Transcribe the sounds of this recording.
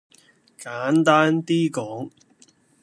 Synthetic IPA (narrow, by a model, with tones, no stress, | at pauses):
kaː˨˥nt̪aː˥nt̪iː˥kɔː˨˥ŋ